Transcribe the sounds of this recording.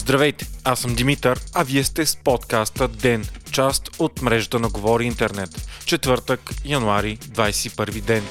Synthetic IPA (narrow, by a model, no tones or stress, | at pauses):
zd̪ɾɐvɛjt̪ɛ̥asəmd̪imit̪əɾɐviɛst̪ɛspɔt̪kast̪əd̪ɛnt͡ʃast̪ot̪mɾɛʒət̪ənɐɡovɔɾiint̪ɛɾnɛt̪t͡ʃɛt̪vɤɾt̪əkjɐnuaɾid̪vajsɛ̥ipɤɾvid̪ɛn